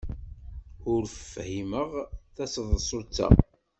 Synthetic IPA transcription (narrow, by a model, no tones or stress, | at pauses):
ʊɾffhiməʁθæsəðˤsˤot͡sːæ̰